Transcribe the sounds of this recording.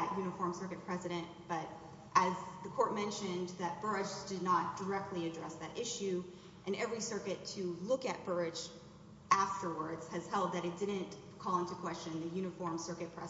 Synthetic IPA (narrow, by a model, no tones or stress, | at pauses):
ɨʔjʉnɨfɔɹmsɜ˞kɨt̚pʰɹ̥ɛzɨɾɨ̃ntb̥ʌɾ | ʔɨzðɨkʰɔɹt̚mɛ̃nʃɨ̃nðɨt̚b̥ɜ˞ɪd͡ʒdɨdⁿnət̚d̥ə˞ɛk̚tʰˡliɨdɹɛsðɨɾʔɪʃʉ | ʔɨ̃nɛvɹisɜ˞kɨtʰɨlʊkɨt̚b̥ɜ˞ɪd͡ʒ | æftə˞wə˞dz̥ɨz̥hɛlˠd̪̚ðɨɾɨt̚d̥ɪdⁿn̩ | kʰɔlˠɪ̃ntukʰw̥ɛst͡ʃɨ̃nðɨjʉñɨfɔɹmsɜ˞kɨt̚pʰɹ̥ɛ